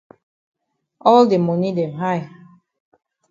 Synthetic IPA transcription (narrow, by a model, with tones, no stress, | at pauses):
ɔ˦lde˨mɔ˨ni˦dɛ̃˨mɦa˦˨ɪ